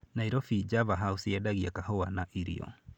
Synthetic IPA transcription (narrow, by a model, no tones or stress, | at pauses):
naiɾɔfid͡ʒavaɦausiadaɣiakahɔwanaʔiɾḭɔ̰